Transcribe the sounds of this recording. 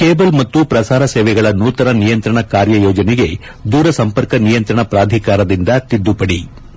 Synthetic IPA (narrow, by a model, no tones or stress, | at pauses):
keːbɐlmɐt̪ːupɾɐsaːɾɐseːʋɛɡɐɭɐnuːt̪ɐɾɐnijɐnt̪ɾɐɳɐkaːɾjɐjɔːd͡ʒɐneɡe̞ | d̪uːɾɐsɐmpɐɾkɐnijɐnt̪ɾɐɳɐpɾaːd̪ʱikaːɾɐd̪ind̪ɐt̪id̪ːupɐɽi